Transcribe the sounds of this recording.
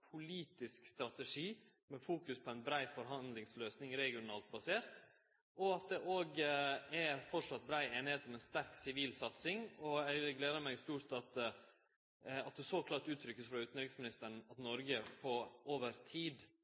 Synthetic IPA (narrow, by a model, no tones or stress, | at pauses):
pʰʊliːt̪ɪskst̪ɾɑt̪ɛʂiː | mɛfuːkʉspʰɔɛɪnbɾæɪfɔɾɦɑnd̪lɪŋsløːsnɪŋɾɛɡɪʊnɑːlt̪̚bɑseːɾt̪ | ʔɔɑt̪̚d̪ɛʔoːɡɛfɔʂɑt̪̚bɾæɪeːnɪheːt̪ɔmɛnst̪æɾksɪʋiːlsɑt̪sɪŋɔæɪɡleːd̪əɾmæɪɡst̪uːʂt̪ɑt̪ | ɑt̪̚d̪ɛsoːkʰlɑːʈʉːt̪ʰɾʏkːəsfɾɑʉːt̪n̩ɾɪksmɪnɪst̪əɾɳ̩ɑt̪nɔɾɡəpʰɔʔoːʋəɾt̪ʰiːd̪